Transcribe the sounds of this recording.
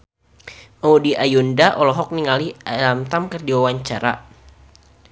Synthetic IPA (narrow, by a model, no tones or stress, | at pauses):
mɔudiʔajundaʔɔlɔɦɔk̚niŋalialamt̪amkərdiwawaɲt͡ʃaɾa